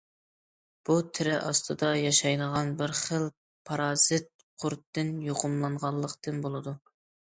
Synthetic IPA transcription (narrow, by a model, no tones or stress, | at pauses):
b̥ut̪ʰɪɾɪʔɑst̪ʰɨd̪ɑjɑʃɑjnəʁɑnbɪɾχəl | pʰɑɾɑːzɨt̪̚qʰʊɾt̪ːɨnjoqʰʊmlˠɑɴʁɑlˠːəqt̪ɨnbolˠɨd̪u